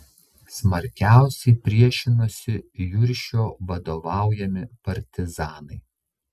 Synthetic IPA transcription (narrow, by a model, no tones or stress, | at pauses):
smɐɾʲkʲæˑʊsʲɛɪpʲɾʲiɛʃʲɪnosʲɪjʊɾʲʃʲoːʋɐd̪oːʋɑˑʊjɛmʲɪpɐɾʲt̪ʲɪzɑːnɐɪ